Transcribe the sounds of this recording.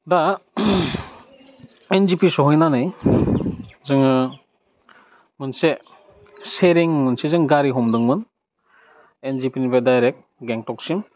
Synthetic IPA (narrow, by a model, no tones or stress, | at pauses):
da | enzipisɔɦɔjnanɯj | zɯŋɯ | mɯnse | seɾiŋmɯnsezɯŋɡaɾiɦɔmdɯŋmɯn | enzipinibedajɾek̚t̚ | ɡeŋtɔksim